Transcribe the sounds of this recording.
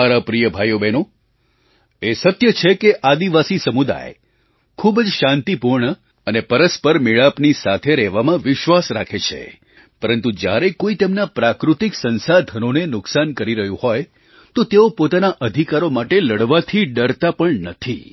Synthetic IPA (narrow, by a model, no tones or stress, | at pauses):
aɾapɾijəbʱajobeno | esət̪jət͡ʃʰekeʔad̪iʋasisəmud̪a̰j | kʰubd͡ʒʃãnt̪ipuɾɳə | ənepəɾəspəɾmiɭapnisat̪ʰeɾɛʋamãʋɪʃʋasɾa̰kʰet͡ʃʰḛ | pəɾənt̪ud͡ʒja̰ɾekoit̪emnapɾakɾut̪iksənsad̪ʱənonenʊksankəɾiɾəɦjũhɔj | t̪ot̪eopot̪anaʔəd̪ʱikaɾomaʈeləɽʋat̪ʰiɖəɾt̪apəɳnət̪ʰi